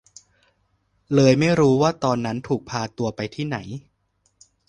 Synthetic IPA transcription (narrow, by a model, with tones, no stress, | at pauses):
lɤː˧jma˥˩jɾuː˦˥waː˥˩t̪ɔː˧nːa˦˥nt̪ʰuː˨˩k̚pʰaː˧t̪u˧ɐpa˧jt̪ʰiː˥˩na˩˦j